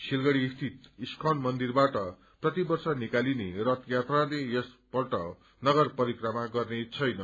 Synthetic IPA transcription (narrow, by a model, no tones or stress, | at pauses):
silɡʌɽiːst̪ʰit̪iskʰʌnmʌnd̪irbaʈʌ | prʌt̪ibʌrsʌnikalinerʌt̪jat̪ralejʌsb̥ʌrʈʌ | nʌɡʌrpʌɾikrʌmaɡʌrnet͡sʰʌjnʌ